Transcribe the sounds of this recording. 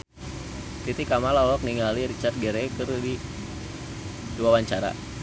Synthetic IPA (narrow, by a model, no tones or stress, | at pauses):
t̪it̪ikamalalɔk̚niŋaliɾit͡ʃart̪̚ɡɛɾɛkɨrdi | duawaɲt͡ʃaɾa̰